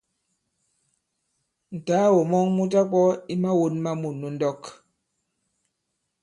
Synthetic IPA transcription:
n̩˨ta˨˦wo˨mɔ˦ŋmu˦t̬a˦k͡pɔ˦i˦ma˦wo˦nma˦mu˨nu˨n̩˦dɔ˦˨k

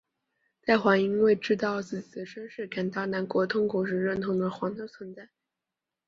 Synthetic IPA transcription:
t̪a˥˩ɪxwɑ˧˥ŋi˧˥ŋwe˥˩ɪʈ͡ʂɻ̩˥t̪ɑ˥˩˧ʊt͡sɹ̩˥˩t͡ɕi̥˨˩d̪ə˦ʂə˥nʂɻ̩˥˩ka˨˩nt̪ɑ˥˩ʊna˧˥nkwɔ˧˥t̪ʰʊ˥ŋkwɔ˨˩ʂɻ̩˥˧ɻə˥˩nt̪ʰʊ˧˥ŋd̪ə˧xwɑ˧˥ŋd̪ə˧˥t͡sʰwə˧˥nt͡sa˥˩ɪ

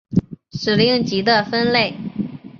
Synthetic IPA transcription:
ʂɻ̩˨˩li˥˩ŋt͡ɕi˧˥d̪ə˧fə˥nle˥˩ɪ

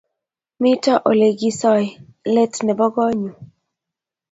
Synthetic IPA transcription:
mɪ˦tɔ˦ʔo˨le˨ɡi˦sɔ˦jle˦tnɛ˨bɔ˦ɡɔ˦ɲu˨

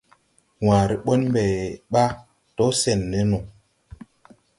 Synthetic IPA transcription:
wa˨ɾi˨ɓo˦nm˦bɛ˨ɓa˦ | to˦sɛ˨nːe˨˦no˨

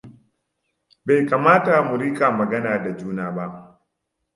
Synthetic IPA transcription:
ba˨jkaː˨maː˦ta˨mu˨ɾiː˦kʼaː˨mɐ˨ɡɐ˦naː˨da˨d͡ʒuː˦naː˨ba˦ʔ

